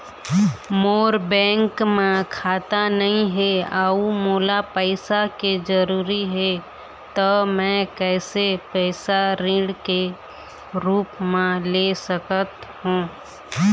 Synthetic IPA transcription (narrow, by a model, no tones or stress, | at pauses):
moːɾbɛ̃ːŋkmẽkʰaːt̪anəɦĩɦeaːumoːlapəɪsaked͡ʒəɾuːɾiɦɛ | t̪əmɛ̃kɛːsepɛːsaɾĩːɽke | ɾuːpmẽlesəkət̪ɦũː